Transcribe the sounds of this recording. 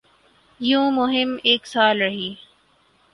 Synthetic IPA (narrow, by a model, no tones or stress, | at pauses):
jõːmʊɦɪmeːksaːlɾɐɦiː